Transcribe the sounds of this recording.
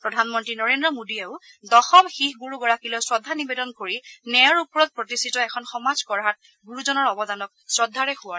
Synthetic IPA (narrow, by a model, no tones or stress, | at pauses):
pɹɔdʱanmɔntɹinɔɹendɹɔmodieʊ | dɔxɔmxixɡuɹuɡɔɹakilɔjsɹɔdʱːanibedɔnkoɹinɛjɔɹupɔɹɔt̚pɹɔtistʰitɔɛkʰɔnxɔmazkɔɹɦat̚ | ɡuɹuzɔnɔɹɔbɔdanɔksɹɔdʱːaɹɛxʊwa